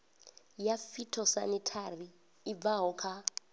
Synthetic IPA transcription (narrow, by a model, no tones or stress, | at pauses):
jafitʰɔsa̰nitʰariː | b̪vaɦɔkʰa